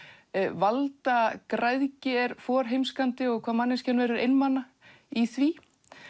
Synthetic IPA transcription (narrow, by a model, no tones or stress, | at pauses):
valt̪akɾajðcɪɛɾ̥fɔːɾ̥ɦejmskant̪ɪɔɣkʰvaːmanːɪnscɛnvɛːɾʏɾejnmana | iθviː